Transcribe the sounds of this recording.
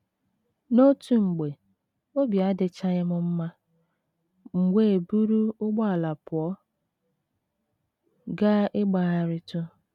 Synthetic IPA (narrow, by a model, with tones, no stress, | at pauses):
no˦tu˨ŋ͡m̩˨ɡ͡be˨ | o˦bja˦dɪ˨t͡ʃa˦ɣɪ˦mʊ˦m̩˦ma˦ | ŋ͡m̩˨ɡʷe˦e˨bu˦ɾu˦ʊ˦ɡ͡ba˦˨la˨pʊ˨ɔ˦ | ɡa˦ʔɪ˦ɡ͡ba˨ɣa˨ɾɪ˦tʊ˦